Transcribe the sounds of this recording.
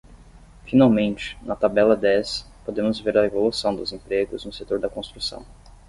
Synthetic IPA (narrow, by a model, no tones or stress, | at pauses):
finawmẽnt͡ʃɪ̥nɐt̪abɛlɐd̪ɛs | pod̪ẽmʊzveɾɐevolusɐ̃w̃d̪ʊzẽmpɾeɡʊznʊset̪oɾd̪ɐkõst̪ɾusɐ̰̃w̃